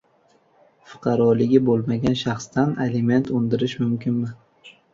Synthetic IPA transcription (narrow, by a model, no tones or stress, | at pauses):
fʊ̥qʰɑɾɒlɪɡʲɪbolˠmaɡʲanʃɑχst̪analɪme̞nt̪ʰʊnd̪ɪɾɪʃmʊmkʲɪnmɪ